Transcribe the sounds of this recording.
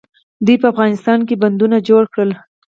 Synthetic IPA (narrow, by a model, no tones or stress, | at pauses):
d̪ujpəafɣɑnɪst̪ɑnkeband̪unad͡ʒoɽkɽəl